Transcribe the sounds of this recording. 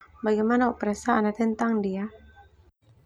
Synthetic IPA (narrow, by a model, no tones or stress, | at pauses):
baɡajmanaɔʔpɾɛsaːnat̪ɛnt̪aŋdia